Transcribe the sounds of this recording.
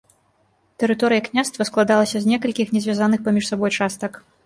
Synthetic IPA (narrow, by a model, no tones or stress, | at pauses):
t̪ɛɾɨt̪ɔɾɨjɐknʲast̪vɐsklˠad̪alˠɐsʲɐzʲnʲɛkɐlʲkʲixnʲɛzʲvʲazanɨxpamʲiʂsabɔjt͡ʂast̪ɐk